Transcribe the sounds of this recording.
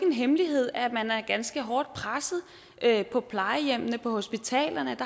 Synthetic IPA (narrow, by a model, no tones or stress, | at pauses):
enɦemliɦe̝ð̞̰ˠæmænæɐɡ̥ænsɡ̥əɦɒːd̥̚pʰʁasð̩ˠ | ʔøpʰɒ̽pʰlɑ̈ɪəjem̰nəpʰɒ̽ho̝sb̥it͡sʰɛ̰ːlɐnəd̥ɑ̈